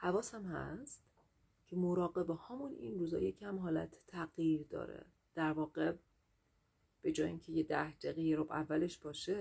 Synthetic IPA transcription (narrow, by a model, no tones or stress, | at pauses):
hævɒːsæmhæ̰st̪ | cʲʰe̞mo̞ɾɒːɣe̞behɒmunḭnruːzɒ̰jecʰæmɦɒːlæ̰t̪ʰt̪ʰːæɣjiːɾd̪ɒ̰ːɾḛ | d̪̥æɾvɒːɢe | b̥e̞d͡ʒɒːjiŋcʰe̞jed̪æhd͡ʒ̪eɣejeɾobævːæle̞ʃb̥ɒːʃe